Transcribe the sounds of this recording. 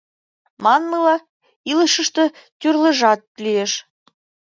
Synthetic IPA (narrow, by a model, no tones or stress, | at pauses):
mɑnmɯlˠɑ | ilˠɤ̆ʃɤ̆ʃt̪ɤ̆ | t̪ʲyrlʲˠɤ̆ʐɑt̪̚lʲijeʃ